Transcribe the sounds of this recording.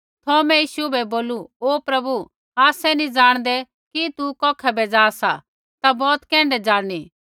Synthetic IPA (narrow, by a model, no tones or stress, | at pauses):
t̪ʰɔːmɛ̃jiːʃubɛboːluoːpɾɐbu | aːsɛnĩd͡zaːɽ̃d̪ɛ | kit̪ukɔːkʰɛbɛd͡zaːsa | t̪abɔːt̪kɛ̃ːɳɖɛd͡zaːɽ̃i